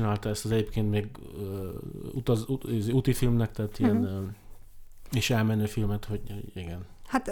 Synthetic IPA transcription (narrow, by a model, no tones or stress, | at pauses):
inaːlt̪ɒɛst̪ɒzɛɟeːpkeːnt̪meːɡøːṵt̪ɒzuzut̪ifilmnɛkt̪ɛːt̪iɛn | eʃɛlmɛnøːfilmɛt̪ho̞ɟho̰ɟiɡɛnhat̪